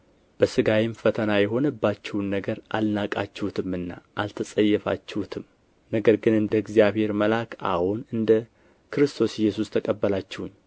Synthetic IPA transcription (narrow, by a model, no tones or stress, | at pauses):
b̥əsɨɡawɪmfət̪ʰənajɛɦo̞nɨbːat͡ʃːɛwnːəɡəɾʔa̰lnakʼat͡ʃːɛhut̪ʰɨmɨnːa̰ʔalt̪ʰəsʼəjːɛfa̰t͡ʃːɛhut̪ʰɨm | nəɡəɾɡɨnɨnd̪əɡzjaβhe̞ɾməlakʰa̰honɨnd̪ə | kʰɨɾɨst̪ʰo̞sɪjːɛsust̪ʰəkʼəbːəlat͡ʃːɛhuɲː